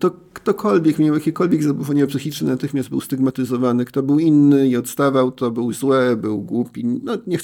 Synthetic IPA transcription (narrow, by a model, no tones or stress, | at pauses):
t̪ɔkt̪ɔkʰɔlvʲjɛkmʲjawjakʲikɔlvʲjɛɡzabufɔɲʲɔpsɘxʲit͡ʂnɘnat̪ɘxmʲjasd̪bɘwst̪iɡmat̪ɘzɔvanɘkt̪ɔbɘwinːɘiɔt̪st̪avawt̪ɔbɘwzwɛbɘwɡwupʲinɔɲɛx